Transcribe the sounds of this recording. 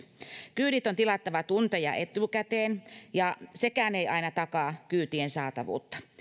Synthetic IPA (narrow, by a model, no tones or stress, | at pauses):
kyːɾit̪ont̪ilɑt̪ːɑʋɑt̪unt̪ejɑ̰ʔet̪ukæt̪eːnjɑsekæːneiʔɑinɑt̪ɑkɑːkyːt̪iensɑːt̪ɑʋṵːt̪ːɑ̥